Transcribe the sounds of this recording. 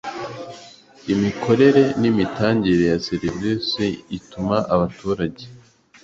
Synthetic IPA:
imikʰo̞ɾe̞ɾe̞nimitaːɲɟiɾejaseɾivisiitumaʔaβatuːɾaɟe

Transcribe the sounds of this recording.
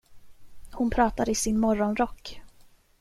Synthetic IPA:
hʊnpʰɾɑːt̪ad̪əɪsɪnmɔɾɔnɾɔkː

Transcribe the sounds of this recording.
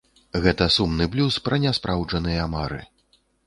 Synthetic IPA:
ɣɛt̪ɐsumnɨblʲuspɾɐnʲɛspɾʔawʐɐnɨjɐmaɾɨ̰

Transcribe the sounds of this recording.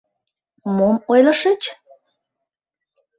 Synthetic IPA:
momojlə̆ʃət͡ɕ

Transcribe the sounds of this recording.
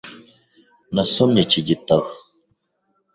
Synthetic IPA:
nəsomnit͡ʃid͡ʒitəw

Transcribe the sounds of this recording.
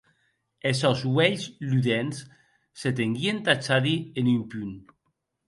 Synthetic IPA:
esɔzwɛʎzlyðens | set̪eŋɡient̪at͡ʃaðienimpyn

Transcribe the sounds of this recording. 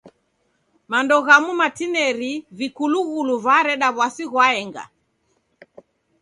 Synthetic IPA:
mandɔɣamumatinɛɾivikuluɣuluvaɾɛɗaβwasiɣwaɛŋɡa̰

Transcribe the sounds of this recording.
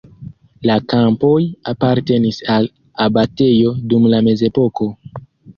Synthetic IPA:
lakampo̞japaɾte̞nisal | abate̞jo̞dumlame̞ze̞po̞ko̞

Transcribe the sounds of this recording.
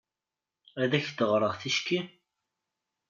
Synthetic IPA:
æðæçθəʁɾˤəʁθiʃki

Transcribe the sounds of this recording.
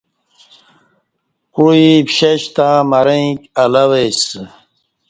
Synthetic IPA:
quipɕeɕt̪amɐɾẽĩkɐlɐwes

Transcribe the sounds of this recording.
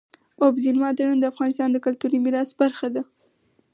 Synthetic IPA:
obzilmɑd̪ənand̪əafɣɑnɪst̪ɑnd̪əkʊlt̪uɾimɪɾɑsbaɾxad̪a

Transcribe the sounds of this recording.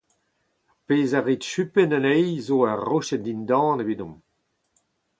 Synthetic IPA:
peːzaʁitʃypɛnanɛjzoːaʁoʃɛdindɑ̃ːnevidɔ̃m

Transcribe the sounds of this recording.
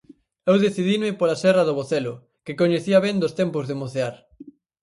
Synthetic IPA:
ewðeθiðimɪpolasɛrɐðoβoθɛlʊ | kɪkoɲeθiɐβɛnd̪ost̪ɛmpozðemoθeaɾ

